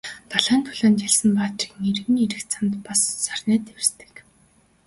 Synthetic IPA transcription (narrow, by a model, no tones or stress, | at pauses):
t̪aɮaːnt̪ʰɵɮoːnt͡ɕaɮsə̆mpaːt͡ɕɪ̥̆kneɾɣɘ̆niɾɘ̆xt͡sʰamt̪pasːarʲnæːt̪ew̆st̪ɘ̥̆k